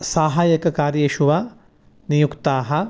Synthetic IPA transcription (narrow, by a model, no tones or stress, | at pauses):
saːɦaːjɐkɐkaːɾjeːʃuʋaː | nijukt̪aːɦɐ̆